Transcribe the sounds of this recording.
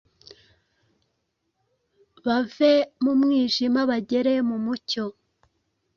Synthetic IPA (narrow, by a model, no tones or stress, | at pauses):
βavemumŋiːʒimaβaɟe̞ɾe̞mumuco̞